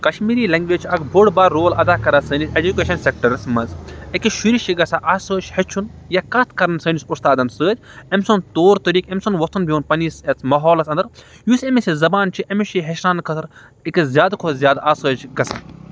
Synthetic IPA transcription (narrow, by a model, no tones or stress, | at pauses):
kɐʃmiːɾiːlɐŋɡʋeːt͡ʃʰɐkbʱoɽbaːɾoːlɐd̪aːkɐɾɐsɐːnised͡ʒukʲeːʃɐnsek̚ʈɐɾɐsmɐnzekʲiʃuɾiʃiɡɐsaʔaːsəːt͡ʃhɐt͡ʃʰunjakɐt̪ʰkɐɾɐnsɐːnisust̪aːd̪ɐnsəːd̪ʲ | emsont̪oːɾt̪ɐɾiːkemsɐnʋɐst̪ʰunbʱʲiunpɐniːset͡smɐɦɔːlɐsɐnd̪ɐɾ | jusemisʲizɐbaːnt͡ʃʰiʔɐmiʃiɦɐʃɾaːnkʰɐt̪ʰɾ | ekzʲjaːd̪kʰozʲjaːd̪aːsəːt͡ʃɡɐsa̰